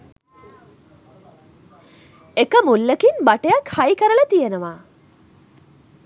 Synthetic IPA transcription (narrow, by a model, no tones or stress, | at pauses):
ekəmulːəkinbaʈejɐkhajkɐɾəɭɐt̪ijenɐʋaː